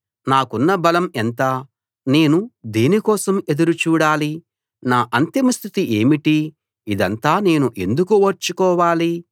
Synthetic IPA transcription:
naːkunːɐbɐlɐment̪a | ne̞ːnud̪iːnikɔːsɐme̞d̪uɾut͡ʃuːɽaːli | naːʔɐnt̪imɐst̪ʰit̪iʔe̞ːmiʈi | id̪ɐnt̪aːne̞ːnuʔe̞̰nd̪ukuɐɾt͡ʃːukɔːʋaːli

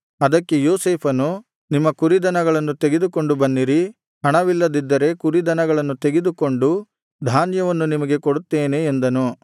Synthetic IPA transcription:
ɐd̪ɐkːejoːseːpʰɐnu | nimːɐkuɾid̪ɐnɐɡɐɭɐnːut̪e̞ɡed̪uko̞ɳɖubɐnːiɾi | ɦɐɳɐʋilːɐd̪id̪ːɐɾe̞kuɾid̪ɐnɐɡɐɭɐnːut̪e̞ɡed̪uko̞ɳɖu | d̪ʱaːnjɐʋɐnːunimɐɡe̞koɽut̪ːeːne̞ːnd̪ɐnu

